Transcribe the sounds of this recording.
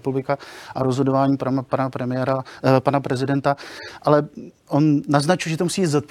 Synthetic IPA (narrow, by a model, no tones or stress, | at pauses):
publɪkaʔaɾozɦo̞dovaːɲiːppanapɾɛmɪɛɾapanapɾɛzɪdɛnt̪aʔalɛʔo̞nːaznat͡ʃujʒɛt̪ousiːiːzot̪̚p